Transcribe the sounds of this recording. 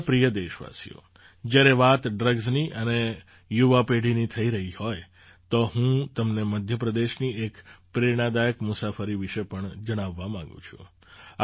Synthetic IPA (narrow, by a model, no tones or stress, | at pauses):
pɾijəd̪eʃʋa̰sḭjo̰ | d͡ʒjaɾeʋat̪ɖɾəɡzniʔəne | juʋapeɽ̤init̪ʰəiɾəɦihoj | t̪oɦũt̪əmneməd̪ʱjəpɾəd̪eʃniekpɾeɾɽ̃ad̪ajəkmʊsafəɾiʋiʃepəɳd͡ʒəɽ̃aʋːamãŋ̆ɡṵ̃t͡ʃʰṵ̃ | a